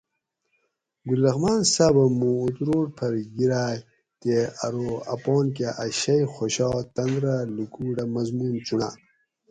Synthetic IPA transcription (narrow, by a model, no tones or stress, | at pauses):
ɡulːɐxmaːnsabɐmuːt̪ɾoːʈpʰɐɾɡiɾaːj | t̪eɐɾoɐ̰poːnk̬aʔaɕɐjxoɕɑːt̪ɐnd̪ɾalikuːɖamɐzmuːnt͡suɳa̰